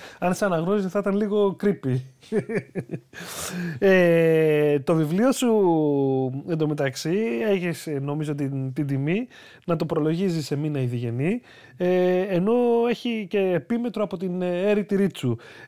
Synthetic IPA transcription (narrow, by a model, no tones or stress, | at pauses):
ɐnsɐnɐɣnosizeθɐit̪ɐnliɣo̞kɾipi | e | t̪o̞vivlio̞su | end̪o̞me̞t̪ɐksieçisno̞mizot̪it̪id̪imi | nɐt̪opɾo̞lo̞ʝizise̞minɐiðiʝe̞ni | eeno̞e̞çice̞ːpime̞t̪ɾoɐpo̞t̪ine̞ɾit̪iɾit͡su